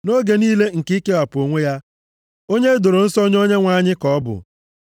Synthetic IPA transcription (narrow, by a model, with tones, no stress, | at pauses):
no˦ɡe˨niː˦le˦ŋ̩˨ki˦ke˦a˨po˨ŋʷe˦ja˦ | o˦ɲe˦do˨ɾo˨n̩˦sɔ˦ɲ˦o˦ɲe˦ŋʷa˦˨ɲɪ˦kɔ˦bʊ̰˨